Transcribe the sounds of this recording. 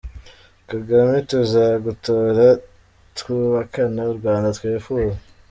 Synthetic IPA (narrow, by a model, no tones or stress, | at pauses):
kaɡametuzaɡutoːɾa | twuːβakanauɾɡwaːndat̪weːfuːze